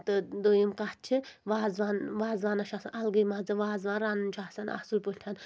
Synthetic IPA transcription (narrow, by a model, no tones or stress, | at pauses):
t̪ɨd̪ojimkat̪̚t͡ʃʰiʋaːzʋaːnʋaːzʋaːnɐʃasɐnɐlɡɐjmad͡zɨʋaːzʋaːnɾanunt͡ʃʰaːsɐnɐ̰sulpulʲʰan